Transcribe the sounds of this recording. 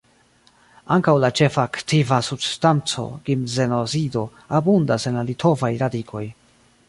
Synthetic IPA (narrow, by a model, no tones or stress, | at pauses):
aŋkawlat͡ʃe̞faːktivasubstant͡so̞̰ɡimzenosido̞ | abundase̞nlalitʰo̞vajɾadikʰo̞j